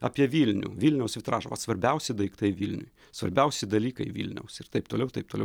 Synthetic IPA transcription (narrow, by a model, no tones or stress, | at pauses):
ɑ̰ːpʲiɛʋʲiːlʲnʲṵːʋʲiːlʲnʲɛʊsʋʲɪt̪ɾɑːʒɐʋɐ̰sʋɐɾʲbʲɛʊsʲɪd̪ɐɪkt̪ɐɪʋʲiːlʲnʲʊ̰j | sʋɐ̰ɾʲbʲɛʊsʲɪd̪ɐlʲiːkɐɪʋʲḭlʲnʲɛ̰ʊsɪɾt̪ɐɪp̚t̪oːlʲɛʊt̪ɐɪpt̪oːlɛʊ